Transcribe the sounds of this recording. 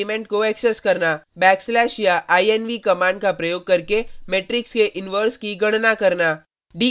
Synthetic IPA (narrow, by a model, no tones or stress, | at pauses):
imẽɳʈ̚koɛksɛskɐɾnabɛːkslɛːʃjaʔaːiɛnʋikɐmãːɳɖkapɾɐjoːɡ̚kɐɾkemeːʈɾɪkskeʔɪnʋəɾskiɡɐɽ̃nakɐɾnaː | ɖiː